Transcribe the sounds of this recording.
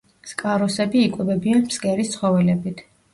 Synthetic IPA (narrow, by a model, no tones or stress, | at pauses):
skʼaɾɔsɛbiːkʼwɛbɛbianmsɡɛɾist̪sʰχɔvɛlɛbit̪ʰ